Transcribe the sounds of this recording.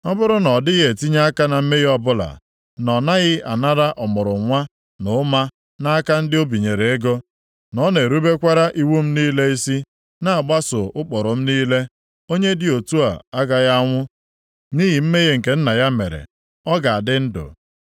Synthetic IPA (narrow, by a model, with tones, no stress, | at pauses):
ɔ˦bʊ˦ɾʊ˦nɔ˨dɪ˦ɣe˨ti˦ɲa˦a˦ka˦na˨m̩˦me˦ɣɔ˦bʊ˦la̰˨ | nɔ˨na˦ɣɪ˦ʔa˨na˦ɾa˦ʔɔ˨mʊ˨ɾʊ˨˦ŋʷa˦ | nʊ˨˦ma˦ | na˦a˦ka˦n̩˦dɪ˦o˦bi˨ɲe˨ɾe˨e˦ɡo˦ | nɔ˦ne˨ɾu˦be˦kʷa˦ɾa˦ʔi˦wu˦m̩˦niː˦le˦i˦si˦ | na˦a˨ɡ͡ba˦sʊ˨ʔʊ˦k͡pɔ˨ɾʊ˨m̩˦niː˦le˦ | o˦ɲe˦dɪ˨o˨tu˦a̰˨a˦ɡa˨ɣa˦ŋʷʊ˦ | niː˦ɦi˨m̩˦me˦ɣe˦ŋ̩˨ke˨n̩˦na˨ja˦mḛ˨ɾḛ˨ | ɔ˦ɡa˨a˨dɪ˦n̩˦dʊ̰˨